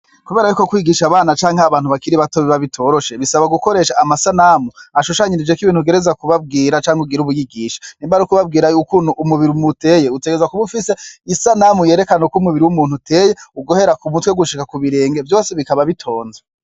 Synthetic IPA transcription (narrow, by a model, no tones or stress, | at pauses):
kuβe̞ːɾajukokwiɡiʃaβaːnat͡ʃaːŋheaβaːn̥huβakiɾiβato̞βiβaβitʰo̞ːɾo̞ʃeβisaβaɡuko̞ɾe̞ːʃaːmasanamuaʃuʃaɲinid͡ʒekiβiːnhuɡe̞ɾe̞zakuβab̚ɡiːɾat͡ʃaːŋhuɡiɾuβujiɡiːʃḁniːmbaɾukuβab̚ɡiːɾajukunuʔumuβiɾiumute̞je̞ute̞ɡezakuβufise̞isanamuje̞ːɾe̞kanokumuβiɾiwumuːnhutʰe̞je̞uɡo̞he̞ɾakumutwe̞ɡuʃikakuβiɾe̞ːŋɡe̞vjo̞ːse̞βikaβaβitʰo̞ːnze